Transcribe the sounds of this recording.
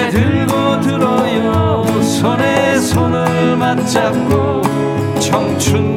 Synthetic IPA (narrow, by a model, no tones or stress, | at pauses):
dɯɭɡo | dɯɾʌja | u | sʰʌnesʰonɯɭmant͡ɕ͈at̚k͈o | t͡ɕʰʌŋt͡ɕʰun